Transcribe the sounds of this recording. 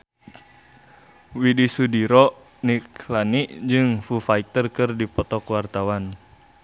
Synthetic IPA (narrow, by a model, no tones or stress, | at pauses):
widisudiɾɔʔ | niklaniʔd͡ʒɨŋfufait̪ərkɨrdipɔt̪ɔkwart̪awan